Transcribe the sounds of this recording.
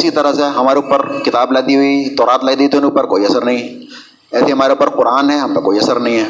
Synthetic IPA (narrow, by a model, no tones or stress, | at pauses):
ɪsit̪əɾəseɦɐmaːɾeʊpːəɾkɪt̪aːblɛːd̪iɦʊit̪ɔːɾaːt̪lɛːd̪it̪ːnʊpːəɾkoːiɐsəɾnəɦĩ | ɛːseɦəmaːɾeʊpːəɾqʊɾaːnɦɛːɦɐmt̪akoːiɐsəɾnəɦĩːɦɛː